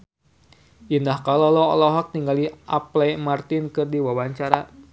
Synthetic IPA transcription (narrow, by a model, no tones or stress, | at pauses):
ʔindahkalɔlɔɔ̰lɔɦɔk̚t̪iŋɡaliʔaplɛmart̪inkɨrdiwawaɲt͡ʃaɾa